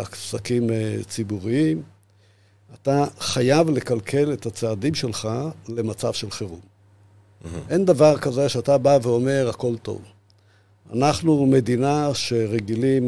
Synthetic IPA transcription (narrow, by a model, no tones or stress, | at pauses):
afsakimet͡sibuʁiim | at̪aχajavle̞kalkʰe̞le̞t̪at͡saːd̪imʃe̞lχale̞mat͡savʃelχeʁṵm | ʔe̞nd̪avaʁkaze̞ʃeat̪abaveo̞me̞ʁhako̞lt̪o̞̰v | a̰naχnume̞d̪inaʃe̞ʁe̞ɡilim